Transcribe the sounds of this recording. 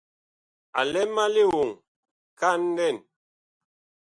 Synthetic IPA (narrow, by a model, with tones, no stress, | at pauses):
a̰˨lɛ˦ma˦li˦wu˨ŋ | ka˦n˦dɛ˦˨n